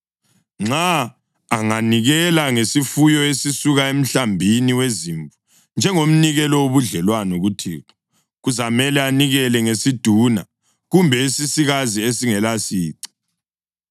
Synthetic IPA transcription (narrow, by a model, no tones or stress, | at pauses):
ŋ͡ǀaː | ŋaniɣɛlaŋesifujɔesisuɣaem̩ɬambʱiniweziɱvu | nd͡ʒʱɛŋom̩niɣɛlɔwoβuɮɛlwanɔɣutʰiːkɔ | ɣuzamɛlɛaniɣɛlɛŋesid̥ʱuna̰ | ɣumbʱɛisisiɣaziesiŋɛlasiːǀi̥